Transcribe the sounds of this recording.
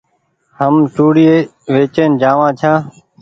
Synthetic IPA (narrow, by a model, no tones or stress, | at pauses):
həmt͡ʃuːɽɪeːʋeːt͡ʃeːnd͡ʒaːʋãːt͡ʃʰãː